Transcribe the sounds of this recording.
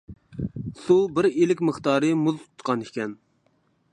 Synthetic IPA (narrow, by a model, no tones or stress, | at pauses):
subɪɾelɪkʲməχt̪ɑːɾɨmuztʰʊ̥t̪qɑnikʲʰɛn